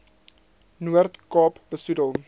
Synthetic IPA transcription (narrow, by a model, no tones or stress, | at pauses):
nuərtkɑːpbəsudəlˠ